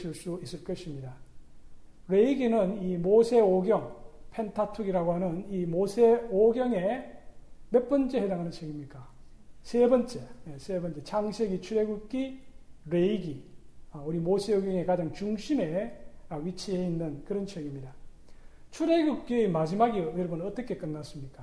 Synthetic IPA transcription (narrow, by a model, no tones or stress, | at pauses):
sʰiɭs͈uois͈ɯɭk͈ʌɕʰimɲida | ɾe̞iɡinɯnimosʰe̞oɡjʌŋpʰe̞ntʰatʰuɡiɾaɡoɦanɯnimosʰeoɡjʌŋe̞ | mep͈ʌnt͡ɕ͈e̞ɦedaŋɦanɯnt͡ɕʰeɡimɲik͈a | sʰe̞bʌnt͡ɕ͈e̞esʰebʌnt͡ɕ͈e̞t͡ɕʰaŋɕʰeɡit͡ɕʰuɾe̞ɡuk̚k͈iɾeiɡiauɾimosʰe̞oɡjʌŋe̞kad͡ʑaŋt͡ɕuŋɕʰime̞wit͡ɕʰiɦeinːɯnkɯɾʌnt͡ɕʰeɡimɲida | t͡ɕʰuɾe̞ɡuk̚k͈iemad͡ʑimaɡiʌjʌɭbʌnʌt͈ʌkʰe̞k͈ɯnːas͈ɯmɲik͈a